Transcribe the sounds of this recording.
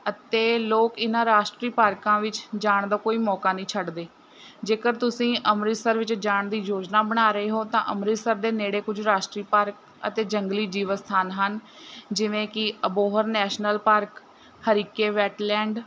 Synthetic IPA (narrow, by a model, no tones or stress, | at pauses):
ət̪eːloːkɪnãːɾaːʃʈɾiːpaːɾkãːʋɪt͡ʃd͡ʒaːɳd̪aːkoːiːmɔːkaːnĩːt͡ʃʰəɖd̪eː | d͡ʒeːkəɾt̪ʊsĩːʔəmɾɪsəɾʋɪt͡ʃd͡ʒaːɳd̪iːd͡ʒoːd͡ʒnaːbəɽ̃aːɾəeːɦoːt̪ãːʔəmɾɪsəɾd̪eːneːɽeːkʊd͡ʒʱɾaːʃʈɾiːpəɾk | ə̰t̪eːd͡ʒəŋɡliːd͡ʒiːʋəst̪ʰaːnɦən | d͡ʒɪʋẽːkɪəboːɦəɾnɛːʃnəlpəɾk | həɾiːkeːʋɛːʈlɛ̃ːɳɖ